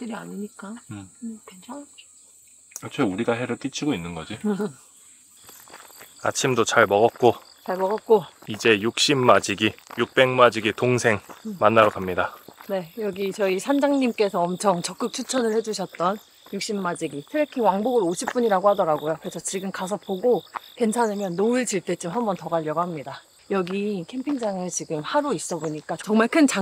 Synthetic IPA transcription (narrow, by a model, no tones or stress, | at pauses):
t͈ɯɾiaɲiɲik͈a | kʰ | ʌt͡ɕʰeuɾiɡaɦeɾɯɭk͈it͡ɕʰiɡoinːɯnɡʌd͡ʑi | a̰t͡ɕʰimdot͡ɕaɭmʌɡʌt̚k͈o | t͡ɕaɭmʌɡʌt̚k͈oid͡ʑe̞juk̚ɕ͈imːad͡ʑiɡijuk̚p͈e̞ŋmad͡ʑiɡitoŋsʰe̞ŋmanːaɾokamɲidane̞jʌɡit͡ɕʌisʰand͡ʑaŋɲimk͈e̞sʰʌːmt͡ɕʰʌŋt͡ɕʌk͈ɯk̚t͡ɕʰut͡ɕʰʌnɯɭhe̞d͡ʑuɕʰʌt̚t͈ʌn | juk̚ɕ͈imːad͡ʑiɡitʰɯɾekʰiŋwaŋboɡɯɾoɕʰip̚p͈uɲiɾaɡohadʌɾaɡojokɯɾe̞sʰʌt͡ɕiɡɯmkas̬ʰʌpoɡokwe̞nt͡ɕʰanɯmjʌnːoɯɭt͡ɕiɭt͈e̞t͡ɕ͈omɦambʌntʌɡaʎːʌɡaɦamɲida | jʌɡikʰe̞mpʰiŋd͡ʑaŋɯɭt͡ɕiɡɯmhaɾuis͈ʌboɲik͈aʌŋmaɭkʰɯnt͡ɕa